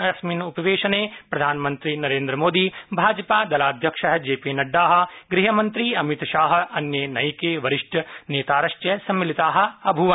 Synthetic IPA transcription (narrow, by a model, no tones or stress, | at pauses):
ɐsminupɐʋeːʃɐneːpɾɐd̪ʱaːnɐmɐnt̪ɾinɐɾeːnd̪ɾɐmoːd̪ibʱaːd͡ʒɐpaːd̪ɐlaːd̪ʱjɐkʂɐɦɐd͡ʒeːpiːnɐɖːaːɦɐ̆ɡɾiɦɐmɐnt̪ɾiɐmit̪ʃaːɦɐ̆ɐnjenɐjkeːʋɐɾiʂʈɐneːt̪aːɾɐʂʈjɐsɐmːilit̪aːɦɐ̆ɐbʱuʋɐ